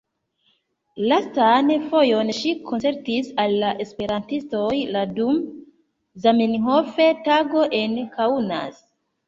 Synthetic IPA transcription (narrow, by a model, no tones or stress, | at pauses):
lastanfo̞jo̞nʃikʰont͡se̞ɾtisalːaʔe̞spe̞ɾantisto̞jladum | zamenɦofe̞taɡo̞ʔe̞nkauna̰s